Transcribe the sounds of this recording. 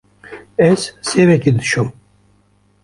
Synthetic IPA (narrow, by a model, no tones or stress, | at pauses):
ɛzsevɛkid̪ɨ̥ʃum